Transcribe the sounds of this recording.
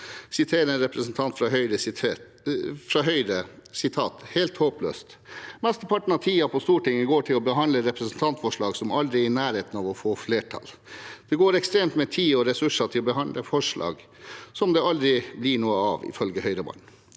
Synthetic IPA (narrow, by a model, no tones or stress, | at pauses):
sɪt̪ʰeːɾəɛnɾɛpɾəsn̩t̪ʰɑnt̪fɾɑɦœʏɾə | fɾɑːɦœʏɾəsɪt̪ʰɑːt̪helt̪hoːplø̰ːst̪ | mɛst̪əpʰɑʈːɳ̩ɑʋt̪ʰiːɑpʰɔst̪uːʈɪŋːəɡoːʈʰɪlɔbəɦɑnd̪əɾɛpɾəsn̩t̪ʰɑnt̪fɔʂɭɑːɡsɔmɑld̪ɾɪɪnæːɾeːt̪nɑʋɔfoːfleːʈʰɑ̰l | d̪̥ɛɡoːɾɛkst̪ɾeːmt̪mɛt̪ʰiːɔɾɛsʉʂɑʈ̪ʰɪlɔbəɦɑnd̪ʔəfɔʂlʔɑ̰ːɡ | sɔmd̪ɛɑld̪ɾɪblɪɳuːəɑʋɪ̰fœlɡəhœʏɾəbɑ̰n